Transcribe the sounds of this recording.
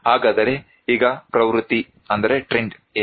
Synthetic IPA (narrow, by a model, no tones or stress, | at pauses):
ɦaːɡaːd̪ɐɾe̞ | iːɡɐpɾɐʋɾut̪ːi | ɐnd̪ɐɾe̞ʈɾeɳɖe